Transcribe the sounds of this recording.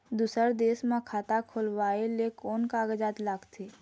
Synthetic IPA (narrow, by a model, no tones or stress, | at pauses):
d̪uːsəɾd̪eːsmãkʰaːt̪akʰoːlwaːelekoːnkaːɡəd͡ʒaːt̪laːɡt̪ʰeː